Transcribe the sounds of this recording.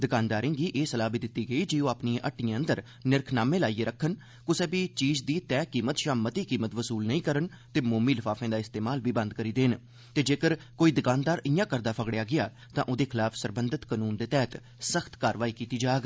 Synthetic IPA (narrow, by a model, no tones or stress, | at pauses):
d̪ɪkaːnd̪aːɾɪ̃ŋɡiːʔeːsəlaːbiːd̪ɪt̪ːiːɡəiːd͡ʒioːaːpniãʔəʈːɪjãːənd̪əɾ | nɪɾkʰnaːmẽːlaːiːeːɾəkʰːən | kʊsɛːbiːt͡ʃiːd͡ʒd̪iːt̪ɛːkiːmət̪ʃaːmət̪iːkiːmət̪ʋəsuːlnəĩːkəɾən | t̪eːmoːmiːlɪpʰaːfʰẽːd̪aːɪst̪eːmaːlʋiːbə̃nd̪kəɾiːd̪eːn | t̪eːd͡ʒeːkəɾ | koːiːd̪ɪkaːnd̪aːɾɪjãːkəɾd̪aːpʰəɡɽjaːɡɪjaː | t̪ãːʔʊd̪eːkʰɪlaːpʰsəɾbənd̪ət̪kənuːnd̪eːt̪ɛːt̪ | səxʰt̪kaːɾʋaːiːkiːt̪iːd͡ʒaːɡ